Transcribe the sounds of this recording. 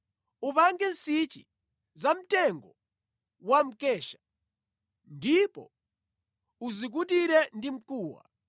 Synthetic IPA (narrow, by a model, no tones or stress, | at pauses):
upaŋɡɛnsit͡ʃḭ | zam̩tɛŋɡɔ | wam̩kɛːʃḁ | ndipɔ̰ | uzik̬ut̬iɾɛndim̩kuːwa̰